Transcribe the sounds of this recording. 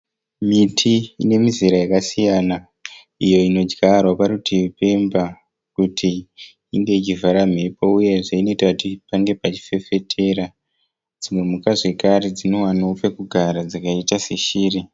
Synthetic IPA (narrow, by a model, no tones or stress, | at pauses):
mitʰiine̞miziɾajakasijaːna | ijo̞ino̞d͡ʒɡarwapaɾutʰiupe̞mba | kutʰi | iŋɡe̞it͡ʃivaɾam̤e̞pouje̞ʐaino̞itakutipaŋɡe̞pat͡ʃi̥fe̞fe̞tʰe̞ɾa | d͡zimwe̞mukaʐe̞kaɾe̞d͡zino̞wanoope̞kuɡʱaɾad͡zakaitase̞ʃiːri